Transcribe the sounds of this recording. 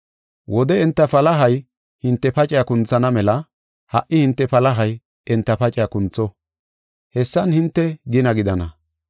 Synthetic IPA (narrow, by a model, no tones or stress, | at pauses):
wʔɔd̪ɛɛnt̪ːɐfɐlɐɦɐj | hɪnt̪ːɛpɐt͡ʃʼɪjakʊnt͡sːɐnɐmɛlɐ | hɐʔɪhɪnt̪ːɛpɐlɐɦɐj | ɛnt̪ːɐpɐt͡ʃʼɪjakʊnt͡sːɔ | hɛsːɐnhɪnt̪ːɛɡɪnɐɡɪd̪ɐnɐ